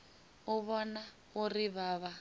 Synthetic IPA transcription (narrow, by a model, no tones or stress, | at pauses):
ʊβɔna | ʊriβaːβa